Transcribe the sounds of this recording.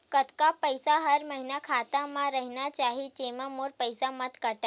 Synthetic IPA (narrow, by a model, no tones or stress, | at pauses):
kət̪kapəjsaɦəɾməɦinakʰat̪amãɾəɦinat͡ʃaɦid͡ʒemãmoɾpəjsamət̪kəʈa